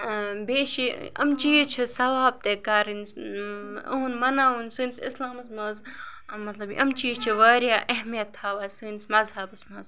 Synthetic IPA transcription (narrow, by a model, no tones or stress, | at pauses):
beːʃiɐ̰mt͡ʃiːt͡ʃʰisɐʋaːb̚t̪ekaɾins | uunmɐnaːunsɨnsislaːmɐsmɐzmɐt̪lɐbḭʔɐmt͡ʃiːt͡ʃʰiʋɐːɾjaːʔɐɦmijɐt̪ʰːaːʋɐsɨnsmɐzhɐbɐsmɐz